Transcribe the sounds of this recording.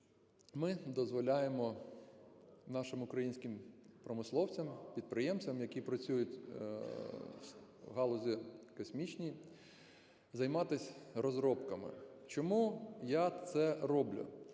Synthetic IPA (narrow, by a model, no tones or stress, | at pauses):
mɪd̪ɔzʋɔlʲajemɔ | nɑʃɪmʊkɾɐjinʲsʲkɪmpɾɔmɪslˠɔwt͡sʲɐmpʲid̪̚pɾɪjɛmt͡sʲɐmjɐkʲipɾɐt͡sʲujʊtʲ | ɦɑlˠɔzʲikɔsʲmʲit͡ʃnʲij | zɐjmɑt̪ɪsʲɾɔzɾɔpkɐmɪ̰t͡ʃɔmujat̪sɛɾɔblʲʊ̰